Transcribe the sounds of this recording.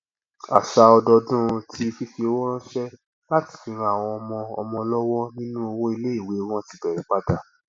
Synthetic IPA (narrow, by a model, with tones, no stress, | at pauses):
a̰˨ʃa˧ɔ˧dɔ˧dũ˦ɾ̃ũ˧tʰi˦˧fi˦ʃe˧o˦wɔ˦ɾ̃ã˦ʃɛ˦ | la˦ti̥˨fĩ˨˧˦ɾa˧a˨w̃ɔ̃˧ɔ˧mɔ̃˧ɔ̰˧mɔ̃˧lɔ˦wɔ˦nĩ˦nũ˦o˧wɔ̃˦i˧le˦i˦˨we˨˦o˦wɔ̃˦ti˨˦bɛ˨ɾɛ̃˨k͡pa˦da˦˨